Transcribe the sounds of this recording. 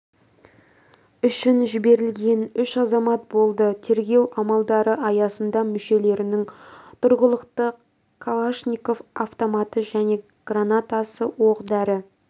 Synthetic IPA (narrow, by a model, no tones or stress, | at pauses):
ʏʃɪnʒɪbe̞ɾɪlɡʲe̞nʏʃɑzɑmɑt̪̚bo̞lˠd̪ət̪ʰe̞ɾɡʲe̞wʔɑmɑlˠd̪ɑɾəɑjɑsənd̪ɑmʏʃe̞le̞ɾɪnɪŋt̪ʰʊɾʁəlˠəqt̪ə | kʰːalˠaʃnʲikofaft̪omɑt̪əʒæne̞ | ɡ̥ranat̪asəwoqd̪ɑɾə